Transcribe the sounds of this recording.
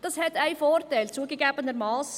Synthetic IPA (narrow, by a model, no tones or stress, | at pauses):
d̥ɑshɛtæɪfoːrtaɪlt͡suəɡeɡæbənəɾmɑːs